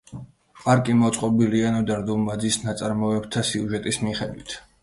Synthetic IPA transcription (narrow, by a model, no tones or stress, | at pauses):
pʼaɾkʼimɔt̪sʼqʼɔbilianɔd̪aɾd̪umad̪zisnat̪sʼaɾmɔɛbt̪ʰasiuʒɛt̪ʼismiχɛd̪wit̪ʰ